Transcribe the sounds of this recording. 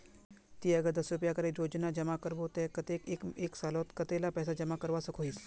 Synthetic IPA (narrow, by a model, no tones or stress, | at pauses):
t̪iɐɡəɾd̪ɐsɾup̬jakɐɾeɾoːd͡ʒnad͡ʒɐmakəɾbot̪eət̪ekːkeksaːlot̪kɐt̪elapɛːsad͡ʒɐmakəɾʋasɐkʰoɦis